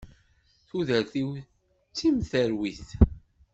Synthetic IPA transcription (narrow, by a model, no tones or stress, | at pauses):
θuðəɾθiw | t͡sːimθəɾwiθ